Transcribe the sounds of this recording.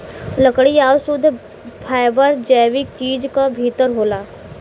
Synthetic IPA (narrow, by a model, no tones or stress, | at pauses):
ləkɽiawsud̪ʱ | fʰajbəɾd͡ʑəjʋik̚t͡ɕiːd͡zkabʱit̪əɾɦola